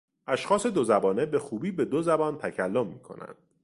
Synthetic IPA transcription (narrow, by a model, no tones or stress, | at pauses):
ʔæʃxɒːse̞d̪ozæbɒːne̞be̞xuːbiːbe̞d̪ozæbɒːnt̪ʰæcʰælːomːiːkʰo̞̰næ̰nd̪̥̚